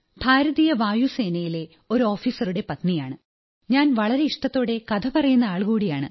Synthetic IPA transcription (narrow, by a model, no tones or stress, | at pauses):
bʱaːɾɐðijɐʋaːjuse̞ːnɐjile | o̞ɾo̞ːfiːsɐruɽe̞pɐt̪nijaːɳɨ | ɲaːnʋɐɭɐɾe̞iʂʈɐt̪ːo̞ːɽe̞kɐt̪ʰɐpɐrɐjunːɐaːɭkuːɽijaːɳɨ̰